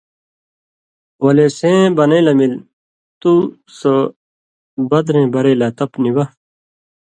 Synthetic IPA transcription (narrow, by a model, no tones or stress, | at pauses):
wɐlesẽbɐnɐilɐmil | t̪u | so | bɐd̪ɾẽbɐɾɐilat̪ɐpniwɐ